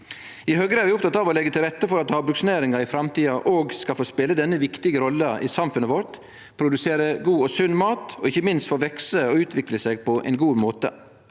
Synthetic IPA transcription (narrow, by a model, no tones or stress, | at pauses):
ɪhøːɡɾəæːɾʋɪʊpt̪ʰɑt̪ɑːʋɔlɛɡət̪ʰɪlɾɛt̪ːəfɔɾɑt̪hɑːbɾʉksneːɾɪŋɑɾɪfɾɑmt̪iːɑʔoːɡskɑlfoːspeːləd̪ɛnːəʋɪkt̪ɪɡəɾɔlːəʔɪsɑmfʉnəʋɔɾt̪ | pʰɾʊd̪ʉseːɾəɡuːɔsʉnːmɑːt̪ɔɪçəmɪnst̪foːʋɛksəɔʉːt̪ʰʋɪkləseːɡ̚pɔʔɛ̰ɪnɡuːmoːt̪ə̰